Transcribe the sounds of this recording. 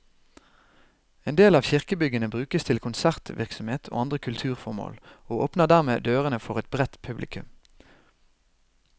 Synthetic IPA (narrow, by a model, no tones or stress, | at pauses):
eːnd̪eːlɑːʋçɪʁkəbʏɡənəbʁʉːkəst̪ʰɪlkʰʊnsæʁt̪ʋʔɪ̰ʁksɔm̩heːt̪ʰo̰ːɑnd̪ʁəkʰʉlt̪ʰʉːʁfɔʁmo̰ːloːoːpnəʁd̪æʁmḛːd̪øːʁənəfɔʁɛt̪̚bʁɛt̪pʰʉblʔɪ̰kʉm